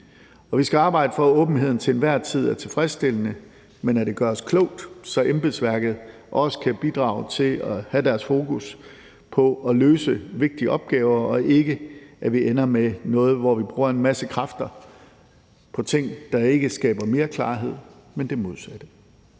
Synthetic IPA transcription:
ɒ̽ʋisɡ̥æɑ̈ːb̥ɑ̈ɪd̥əfɒɔ̽ːb̥n̩ɦe̝ð̞̰ˠn̩t͡sʰe̝enʋæɐ̰t͡sʰið̞̰ˠæɐt͡sʰe̝lfʁɛsd̥e̝l̰ənə | menæde̝ɡ̥ɶɐɒskʰlɔʊ̰d̥sɒ̽ʔemb̥elsʋæɐɡ̥ð̞̩ˠ | ʔɒ̽sə̥kʰæb̥id̥ʁɑ̰̈ːʊt͡sʰe̝lɒhæd̥æɐsfo̝ːkʰus | pʰɒ̽ɒ̽løːsəʋe̝ɡ̥̚d̥iəʔɒ̽b̥̚ɡ̥ɛːʊɐɒ̽ʔe̝ɡ̥əʔæʋiʔenɐmenɔ̽ːð̞̩ˠʋɒʋib̥ʁuːɐe̝nmæsəkʰʁɑ̈fd̥ɐ | pʰɒ̽t͡sʰe̝ŋ̰d̥ɑ̈e̝ɡ̥əsɡ̥ɛ̰ːb̥ɐme̝ːɐkʰlɑ̈ːɦe̝ð̞̰ˠ | mend̥e̝mo̝ð̞ˠsæd̥ə

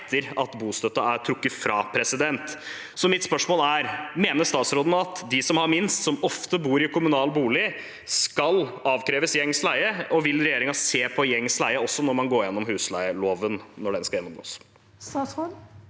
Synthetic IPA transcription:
t̪ʰːəɾɑt̪buːst̪œt̪ːɑæɾʈʰɾʊkːəfɾɑːpʰɾɛsɪd̪ɛnt̪ | sɔmɪt̪spœʂmoːlæɾmeːnəʂt̪ɑːt̪sɾoːd̪n̩ɑt̪d̪ɪsɔmhɑɾmɪnst̪sɔmɔft̪əbuːɾɪkʰʊmʉnɑːlbuːlɪ | skɑlɑːʋkʰɾeːʋəsjɛŋslæɪəɔʋɪlɾɛjeːɾɪŋɑseːpʰɔjɛŋːslæɪəɔsːɔnɔɾmɑnɡoːjɛnːɔmɦʉːslæɪəloːʋənnɔɖɛnskɑljɛnːɔmɡo̰ːs | sɑso

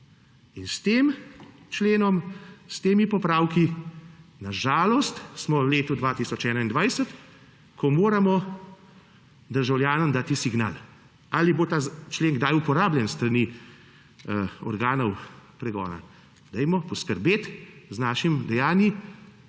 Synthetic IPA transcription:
inst̪eːm | t͡ʃleːnɔmst̪eːmipɔpɾaːwki | naʒaːlɔst̪smɔwleːt̪ud̪ʋaːt̪isɔt͡ʃɛːnaind̪ʋajsət̪ | kɔmoːɾamɔ | d̪əɾʒawljaːnɔmd̪aːt̪isiɡna̰ːl | alibot̪aːt͡ʃleːŋɡd̪ajupɔɾaːbljɛnst̪ɾani | ɔ̰ɾɡaːnɔwpɾɛɡɔ̰ːna̰ | d̪ɛjmɔpɔskəɾbeːt̪znaːʃimd̪ɛjaːnji

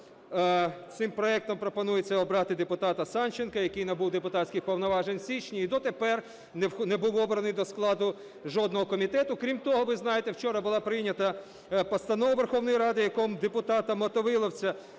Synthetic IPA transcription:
t̪sɪmpɾɔɛk̚t̪ɔmpɾɔpɔnujet͡sʲːɐɔbɾɑt̪ɪd̪epʊt̪ɑt̪ɐsɑnt͡ʃenkɐjɐkɪjnɐbuwd̪epʊt̪ɑtʲsʲkʲɪxpɔwnɔʋɑʒenʲsʲit͡ʃnʲiid̪ɔt̪epɛr | nnebuwɔbɾɐnɪjd̪ɔsklˠɑd̪ʊ | ʒɔd̪nɔɦɔkɔmʲit̪ɛt̪ʊkɾʲimt̪ɔɦɔʋɪznɑjet̪ewt͡ʃɔɾɐbʊlˠɑpɾɪjnʲːɐt̪ɐ | pɔst̪ɐnɔʋɐʋerxɔwnɔjiɾɑd̪ɪjɐkɔmd̪epʊt̪ɑt̪ɐmɔt̪ɔʋɪlˠɔwt͡sʲɐ

